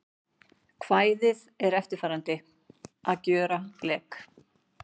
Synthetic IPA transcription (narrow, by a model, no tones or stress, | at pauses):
kʰvaːjðɪðɛɾɛft̪ɪɾ̥faːɾant̪ɪ | ʔaðcœːɾalɛːk